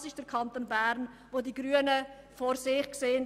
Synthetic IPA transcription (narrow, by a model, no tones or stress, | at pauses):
sɪʃd̥ɛɾkʰɑntoːnbæɾnvoːdiːɡɾyːənə | foːɾsɪχkseːən